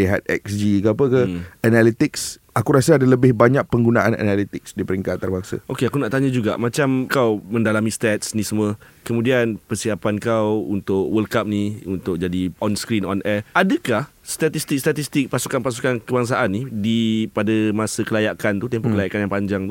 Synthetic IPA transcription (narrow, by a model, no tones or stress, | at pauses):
liɦa̰t̪̚ɛ̰k̚sd͡ʒikəapəkəanalit̪ɪks | akuɾasaadaləbɪhbaɲak̚pəŋɡunaʔana̰nalit̪ɪk̚sdipəɾiŋkatt̪arbaŋsə̰ʔokeakunaʔt̪aɲad͡ʒuɡa̰ʔmat͡ʃamkawmə̃ndalamĩst̪ɛt̪̚snisəməkəmũdianpərsiapankawunt̪ʊʔwəlkap̚niunt̪ʊk̚d͡ʒadiɔnskɾinɔnʔɛʔadəkah | st̪at̪ist̪ik̚st̪at̪ist̪ɪk̚pasukanpas̬ukankəbaŋs̬aʔanːidipadamasəkəlajakant̪ut̪əmpɔʔkəlajaʔkanjaŋpaɲd͡ʒaŋt̪